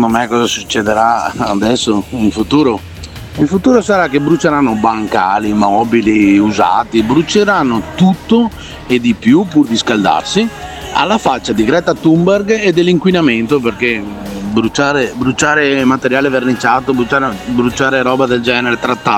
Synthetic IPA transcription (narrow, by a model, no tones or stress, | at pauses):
nd̪omekːɔːzasu̥t͡ʃːed̪eɾaad̪ɛsːoiɱfut̪uːɾo | ilfut̪uːɾosaɾakːebɾut͡ʃeɾanːobaŋka̰ːlimɔːbiliuza̰ːt̪ibɾut͡ʃeɾanːot̪ut̪ːo | ed̪ipjupurd̪iskald̪a̰rsia̰lːafat͡ʃːad̪iɡɾɛt̪at̪umberɡed̪ːelːiŋkwinament̪operke | bɾut͡ʃaːɾebɾut͡ʃaːɾemat̪eɾjaːlevernit͡ʃːaːt̪obɾut͡ʃaɾebɾut͡ʃːaːɾeɾɔːbad̪eld͡ʒɛːneɾet̪ɾat̪ːa